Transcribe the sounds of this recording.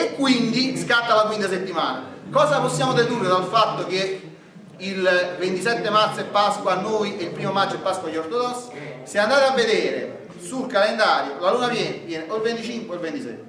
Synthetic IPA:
ekːwind̪iskat̪ːalakwint̪aset̪ːimaːna̰kɔːszapɔsːjaːmod̪ed̪urːed̪alfat̪ːok̟e | ilvent̪isɛt̪ːemaɾt̪sɛpːaskwoanːoːjeilpɾiːmomad͡ʒɛpːaskwaʎːort̪od̪ɔsːi̥seand̪aːt̪eavːed̪eːɾḛ | sulkalend̪aːɾjolaluːnavjɛːnvjɛːneolvent̪it͡ʃiŋkwelvent̪isɛ̰t̪ːe

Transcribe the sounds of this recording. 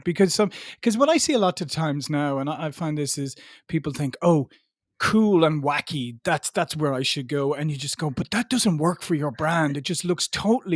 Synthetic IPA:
b̥ɨkʰʌz̥sʌ̃mkʰʌzwʌɾaɪsiəlɔtʰɨtʰãɪ̃mznaʊə̃naɪaɪfãɪ̃nðɪsɪz̥pʰipl̩ˠθɪ̃ŋkoʊ | kʰulə̃nwækʰiðætsðætswə˞aɪʃɨd̚ɡoʊɨ̃njɨd͡ʒʌsɡ̥oʊbʌt̪̚ðət̚d̥ʌzə̃nʔwɜ˞kfə˞jə˞bɹæ̃ndɨt̚d̥ʒ̥ʌstˡlʊkstʰoʊʔl̩ˠi

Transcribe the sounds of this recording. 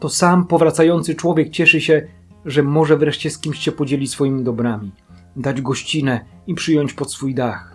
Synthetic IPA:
t̪ɔsampɔvɾat̪sajɔnt̪sɘt͡ʂwɔvʲjɛk̚t͡ɕɛʂɘɕɛ | ʐɛmɔʐɛvɾɛʂt͡ɕɛskʲimɕɕɛpɔd͡ʑelʲisfɔjimʲid̪ɔbɾamʲi | d̪ad͡ʑɡɔɕt͡ɕinɛ | ipʂɘjɔɲt͡ɕpɔt̪sfujd̪ax

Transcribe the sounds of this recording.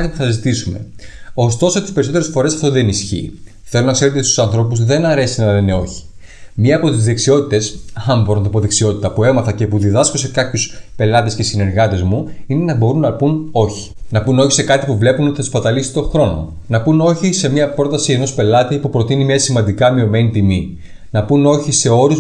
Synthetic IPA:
t̪ipuθɐzit̪isume̞̰o̞st̪o̞sot̪ispeɾiso̞t̪eɾesfo̞ɾe̞sɐft̪oðe̞nisçḭ | θe̞lo̞nɐkse̞ɾe̞t̪eist̪u̥sɐnθɾo̞puzðe̞nɐɾe̞sinɐlene̞o̞çi̥ | mɲiɐːpo̞t̪izðe̞ksio̞t̪it̪e̞sɐmboɾnt̪opoðe̞ksio̞t̪it̪ɐpue̞mɐθɐce̞puðiðɐskose̞kɐpçuspe̞lɐt̪e̞sce̞sine̞ɾɣɐt̪e̞zmuine̞nɐbo̞ɾunɐpuno̞çi̥nɐpuno̞çi̥se̞kɐt̪ipuvle̞puno̞t̪iθi̥spɐt̪ɐlisi̥t̪o̞xɾo̞no̞̰ | nɐpuno̞çise̞mɲɐpɾo̞t̪ɐsie̞no̞spe̞lɐt̪ipupɾo̞t̪inimɲɐsimɐnd̪ikɐmio̞me̞nit̪imi | nɐpuno̞çise̞o̞ɾu

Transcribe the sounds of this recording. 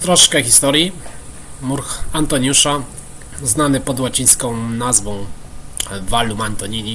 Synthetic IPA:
t̪ɾɔʂkɛxʲist̪ɔɾji | muɾxant̪ɔɲjuʂa | znanɘpɔd̪wat͡ɕĩj̃skɔ̃w̃nazvɔ̃w̃ | valumant̪ɔɲiɲʲi

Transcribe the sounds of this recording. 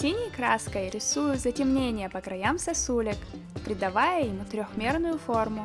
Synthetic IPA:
sʲinʲɪjkɾaskəjɾʲɪsujʊt̪zətʲɪmnʲenʲɪjəpəkɾɐjamsɐsulʲɪk | pɾʲɪd̪ɐvajəjɪmut̪ɾʲoxmʲe̞rnʊjʊfo̞rmʊ

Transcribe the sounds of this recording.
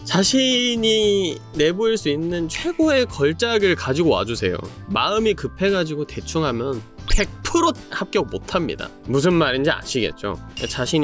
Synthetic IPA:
t͡ɕaɕʰiɲi | ne̞boiɭs͈uinːɯnt͡ɕʰwe̞ɡoe̞kʌɭt͡ɕ͈aɡɯɭkad͡ʑiɡowa̰d͡ʑusʰe̞̰jo̰ | maɯmikɯpʰe̞ɡad͡ʑiɡote̞t͡ɕʰuŋɦamjʌnpʰek̚pʰɯɾohap̚k͈jʌɡ̚motʰamɲḭda̰mus̬ʰɯnmaɾind͡ʑia̰ɕʰiɡe̞̰t̚t͡ɕ͈o̰et͡ɕaɕʰiɲ

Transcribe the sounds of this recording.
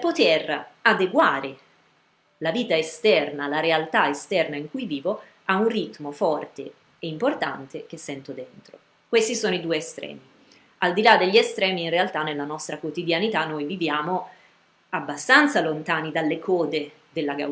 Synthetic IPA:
pot̪erad̪eɡwaːɾe | laviːt̪aest̪ɛrnalaɾealt̪aest̪ɛrnaiŋkujviːvo | aunrit̪mofɔrt̪eː | import̪a̰nt̪ek̟esːɛnt̪od̪ent̪ɾo | kwest̪isoːnoid̪uːeːst̪ɾɛ̰ːmi | ald̪ilad̪ːeʎːiest̪ɾɛːmiːnrealt̪anːelːanɔst̪ɾakwot̪id̪janit̪anːojvivjaːmo | abːast̪ant̪salont̪aːnid̪alːekʰɔːd̪e | d̪elːaɡa̰

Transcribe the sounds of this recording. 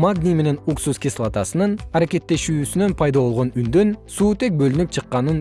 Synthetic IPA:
maɡnime̞ne̞nuksuskʲislˠat̪ɑsɯnɯnɑɾekʲe̞t̪ːe̞ʃyːsynø̞npʰɑjd̪ɑβo̞lˠʁo̞nynd̪ø̞nsuːt̪e̞k̚bø̞lynyp̚t͡ʃʰɨqːɑnɯn

